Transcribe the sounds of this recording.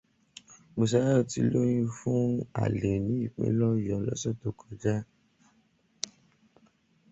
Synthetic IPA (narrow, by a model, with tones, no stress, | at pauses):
mo˧s̬a˧˦ɾa˦ɔ˧˨ti˧lo˦ɾ̃ĩ˦fũ˦a̰˨le˨nĩ˨˦i˦˨k͡pḛ̃˨˦lɔ˦˨jɔ̃˨lɔ̰˦sɔ˦˨to˨kɔ˨d͡ʒa˦